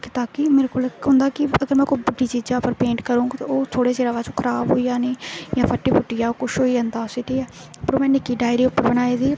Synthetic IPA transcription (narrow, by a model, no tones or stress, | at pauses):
kɪ̥t̪aːkɪmeːɾeːkoːlɦʊ̃nd̪aːkɪəɡəɾmɛ̃ːkobəɖiːt͡ʃiːd͡ʒaːpəɾpẽːɳʈkəɾũːɡt̪ːoːt̪ʰoːɽeːseːɾaːʋaːt͡ʃõːkʰəɾaːbɦoːiːaːneːjãːpʰəʈːiːpʰʊʈːɪjaːokʊʃɦoːiːənd̪aːsɪʈ̪iːɛː | pəɾoːmɛ̃ːnɪkiːɖaːɪɾiːʊpːəɾbənaːeːd̪iː